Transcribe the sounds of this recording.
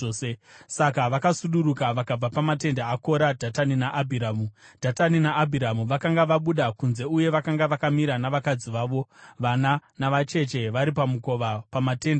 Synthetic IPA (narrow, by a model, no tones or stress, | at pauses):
sesakaʋakasuɗuɾukaʋakab͡vapamat̬e̞ndaako̞ɾadʱataninaʔabʱiɾaːmud̥ʱataninaʔːbʱiɾamuʋakaŋɡaʋaɓuɗakunze̞uje̞ʋakaŋɡaʋakamiɾanaʋakad͡ziʋaːʋo̞ʋananaʋat͡ʃe̞t͡ʃe̞ʋaɾipamuko̞ʋapamate̞nda